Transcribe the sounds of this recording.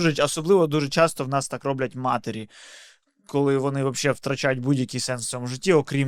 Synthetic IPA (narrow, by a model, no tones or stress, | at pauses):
ʒɛɐsɔblˠɪʋɔd̪uʒɛt͡ʃɑst̪ɔwnɑst̪ɑkrɔblʲɐtʲmɑt̪eɾʲi | kɔlˠɪʋɔnɪʋɐpʃːɛwt̪ɾɐt͡ʃajʊtʲbudʲjɐkʲijsɛnst̪ːɔmʊʐɪtʲːiɔkɾʲim